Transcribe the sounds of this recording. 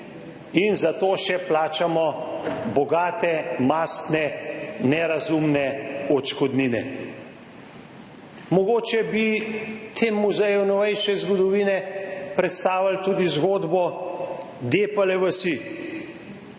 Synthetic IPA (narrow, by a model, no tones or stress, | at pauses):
inzat̪oːʃɛplaːt͡ʃamɔbɔɡaːt̪ɛmast̪nɛnɛɾazumnɛɔt͡ʃkɔd̪niːnɛ̰ | mɔɡoːt͡ʃɛbit̪ʰeːmuzɛjunɔʋɛjʃɛzɡɔd̪ɔʋiːnɛpɾɛt̪st̪aːwalt̪uːd̪izɡoːd̪bɔ | d̪eːpɐlɛʋəsi